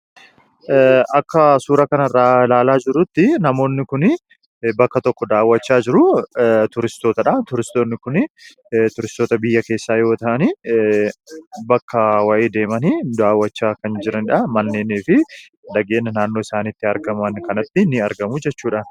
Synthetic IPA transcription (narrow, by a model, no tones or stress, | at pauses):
ʔɐkːɐsuːɾɐkɐnɐrːaːlaːlaːd͡ʒɪɾʊt̪ːɪnɐmo̞ːnːɪkʊnɪ | bɐkːɐt̪ɔkːɔd̪aːwːɐt͡ʃːaːd͡ʒɪɾʊt̪ʊɾɪst̪o̞ːt̪ɐᶑɐt̪ʊɾɪst̪oːnːɪkʊnɪ | t̪ʊɾɪst̪o̞ːt̪ɐbɪjːɐke̞ːsːaːjo̞ːt̪ɐʔɐni | bɐkːɐwɐʔeːd̪e̞ːmɐnid̪aːwːɐt͡ʃːaːkɐnd͡ʒɪɾɐnɪᶑɐmɐnːe̞ːneːfɪ | d̪ɐɡe̞ːnːɐnaːnːoːɪsaːnɪt̪ːɪɐɾɡɐmɐnkɐnɐt̪ːɪnːɪɐɾɡɐmʊd͡ʒɛt͡ʃːuːᶑaːn